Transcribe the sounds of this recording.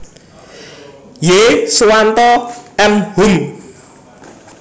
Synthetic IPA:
jesuwant̪ɔɛmhun

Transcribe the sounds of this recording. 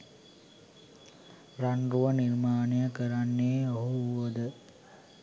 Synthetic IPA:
ɾɐɳɖruʋɐniɾmaːnijɐkɐɾɐnːeːɐɦuʋɐd̪ɨ

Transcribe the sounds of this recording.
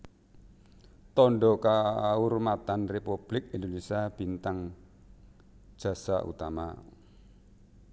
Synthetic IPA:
t̪ɔɳɖɔkaurmat̪anrepub̥lɪk̚ind̪onisiab̥i̤nt̪aŋ | ʒ̥ä̤sa̰ʔṵt̪ama̰

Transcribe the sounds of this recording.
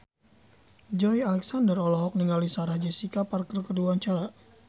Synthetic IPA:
d͡ʒɔjalɛksandərɔlɔɦɔk̚niŋɡalisaɾahd͡ʒɛsikaparkərkəduaɲt͡ʃaɾa

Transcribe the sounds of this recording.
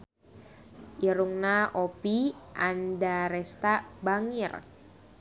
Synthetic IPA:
ʔiɾuŋnaopiʔandaɾɛst̪abaŋir

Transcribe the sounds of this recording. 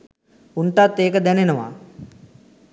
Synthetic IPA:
unʈ̪at̪ːeːkəd̪ænenəʋa̰

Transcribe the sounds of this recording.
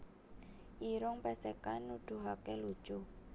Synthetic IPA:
ʔiɾʊŋpɛsɛkanːud̪̥ṳɦakelud̥ʒ̥u

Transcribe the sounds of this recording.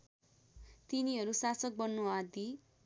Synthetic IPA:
t̪iniɦʌɾusasʌk̚bʌnːuad̪i

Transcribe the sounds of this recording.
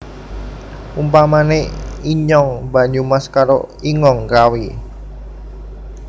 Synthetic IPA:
umpamaneiɲɔŋba̤ɲumaskaɾo̰iŋɔŋkawi

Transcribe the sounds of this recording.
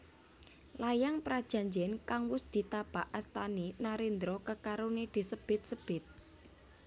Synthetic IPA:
lajaŋpɾad̥ʒ̥a̤ɲd͡ʒɛnkaŋwʊsd̪̥i̤t̪ab̥aʔast̪aninaɾind̪ɾɔkəkaɾuned̪̥i̤səb̥ɪ̤t̪̚səb̥ɪt̪̚

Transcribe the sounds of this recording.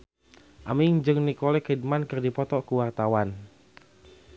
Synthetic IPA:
ʔamiŋd͡ʒɨŋnikɔlɛkid̚mankɨrdipɔt̪ɔkuwart̪awan

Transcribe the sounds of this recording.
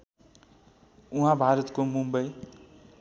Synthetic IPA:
uɦãbʱaɾʌt̪komumbʌj

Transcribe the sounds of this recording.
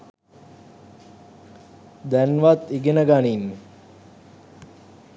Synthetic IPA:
d̪ænʋat̪iɡenəɡanin

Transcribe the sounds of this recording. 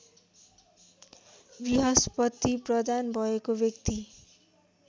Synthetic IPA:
biɦʌspʌt̪ːiprʌd̪anbʱʌekobjʌkt̪i

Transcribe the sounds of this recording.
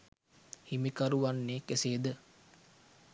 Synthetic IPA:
himikaɾuʋanːeːkeseːd̪ə

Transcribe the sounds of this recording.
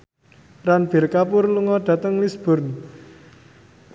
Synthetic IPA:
ranb̥e̤rkapʊrluŋɔɖ̪̥ä̤t̪əŋlisb̥ʊ̤rn

